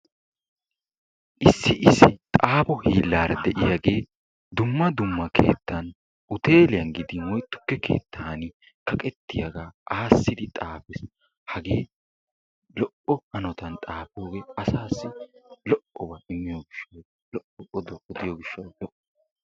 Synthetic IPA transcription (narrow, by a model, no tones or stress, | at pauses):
ʔɪsːɪʔɪsːɪt̪ʼaːpɔhiːlːaːɾɐ̰d̪ɛʔɪjaɡe̞ː | d̪ʊmːɐd̪ʊmːɐkʰe̞̰ːt̪ːɐn | ʔʊt̪e̞ːlɪjɐnɡɪd̪ɪwɔjt̪ːʊ̥kːɛkʰe̞̰ːt̪ːaːnɪ | kɐkʼɛt̪ːɪjɐɡaːʔaːsːɪd̪ɪt̪ʼaːpɛs | hɐɡeː | lɔʔɔhɐnɔt̪ɐnt̪ʼaːpoːɡeːɐsaːsːɪlɔʔɔbaɪmːɪjoːɡɪʃːɐw | lɔʔɔʔɔd̪ɔʔɔd̪ɪjoːɡɪʃːɐwlɔʔ